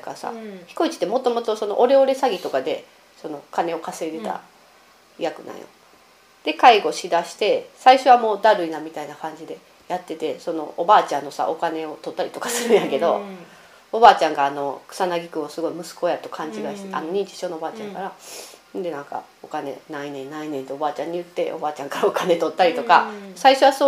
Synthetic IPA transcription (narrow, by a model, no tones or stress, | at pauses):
kasa̰çi̥ko̞it͡ɕi̥t̪ːemo̞t̪o̞mo̞t̪o̞so̞no̞ʔoɾe̞o̞ɾe̞saɡʲit̪o̞kad̪e̞ | so̞no̞kane̞o̞kase̞d̪e̞t̪a̰ | ijakɯ̟nã̰ɰ̰̃jo̰ | d̪̥e̞kaiɡo̞ɕid̪aɕi̥t̪e̞saiɕo̞βamo̞ːd̪aɾɯ̟inamʲit̪ainakãɲ̟d͡ʑid̪e̞ | jat̪ːe̞t̪e̞so̞no̞̰ʔobaːt͡ɕãnːo̞sa̰ʔo̞kane̞o̞t̪o̞t̪ːaɾʲi̥t̪o̞kḁsɨɾɯ̟ɰjãke̞d̪o̞̰ | obaːt͡ɕãŋɡaːno̞kɯ̥sanaɡʲikɯ̟osɨɡo̞imɯ̟sɨ̥ko̞jat̪o̞̥kʰãɲ̟d͡ʑiɡ̪aɕi̥t̪eʔa̰no̞ɲ̟ĩɲt͡ɕi̥ɕo̞ːnobaːt͡ɕãŋkaɾand̪e̞nãŋka̰ | okane̞̰nainẽ̞nnainẽ̞nt̪eobaːt͡ɕãɲ̟ːijɯ̟t̪ːe̞̰ʔo̞̰baːt͡ɕãŋkaɾaokane̞t̪o̞t̪ːaɾʲit̪o̞kasaiɕo̞βaso